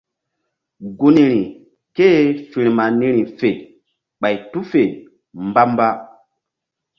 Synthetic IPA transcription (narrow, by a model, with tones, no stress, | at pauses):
ɡu˦ni˨ɾi˨ | ke˦fi˨ɾma˨ni˦ɾi˨fe˨ | ɓa˨jtu˦fe˨ | mba˦mba˦